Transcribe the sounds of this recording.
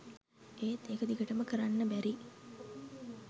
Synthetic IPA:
eːt̪eːkəd̪iɡəʈəməkəɾanːəbæɾi

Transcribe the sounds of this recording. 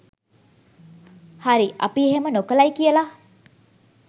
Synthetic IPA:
haɾiʔa̰pieɦemənokəlajkiəla

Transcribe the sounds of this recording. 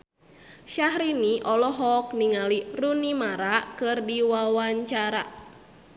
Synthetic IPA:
ʃaɦɾiniʔɔlɔɦɔk̚niŋalirunimaɾakɨrdiwawaɲt͡ʃaɾa

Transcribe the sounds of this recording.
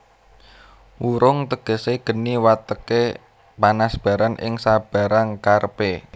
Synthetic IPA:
wuɾʊŋt̪əɡ̥ə̤seɡ̥ə̤niwat̪əke | panasb̥a̤ɾanʔɪ̰ŋsab̥a̤ɾaŋkarpe

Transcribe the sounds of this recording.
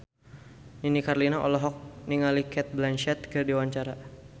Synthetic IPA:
ninikarlinaʔɔ̰lɔɦɔk̚niŋalikɛt̪̚blɛnʃɛt̪̚kərdiwaɲt͡ʃaɾa

